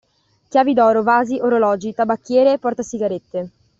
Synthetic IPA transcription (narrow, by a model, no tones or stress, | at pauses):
k̟jaːvid̪ɔːɾovaːziʔoɾolɔːd͡ʒit̪abakːjɛːɾeːpːɔrt̪asiɡaɾet̪ːe